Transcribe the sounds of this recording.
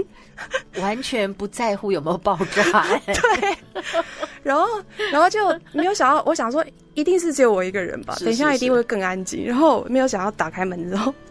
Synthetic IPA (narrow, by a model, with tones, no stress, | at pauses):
wa˧˦nt͡ɕʰɥɛ˧˦npu˨˧˦t͡sa˥˧ɪxu˥˧jo˨˩me˦˥jo˨˩ʊpɑ˥˧ʊʈ͡ʂa˥˩t̪we˥˨˩ɪ | ɻa˧˥nxo˥˩ʊɻa˧˥nxo˥˧ʊt͡ɕjo˥˩ʊme˧˥jo˧˦ʊɕjɑ˨ŋjɑ˥˩ʊʔɔ˧˦ɕjɑ˨˩ŋʂ̬wɔ˥ | i˧˥t̪i˥˧ŋʂ̬ɻ̩˥˩t͡ɕwɔ˨˩i˧˥ɡə˨ɻə̰˧˦nba̰˨t̪ə˨˩nɕ̬jɑ˥˩ŋi˨˥t̪i˥˧ŋxwe˥˧ɪkə˥˩ŋa˦nt͡ɕḭ˥ŋɻa˧˦nxo˥˩ʊ̰˩m˧˥jo˧˥ʊɕɑ˨˩ŋjɑ˥˩ʊt̪a˨˩kʰa˥ɪmə˨˦nt͡so˨˦˩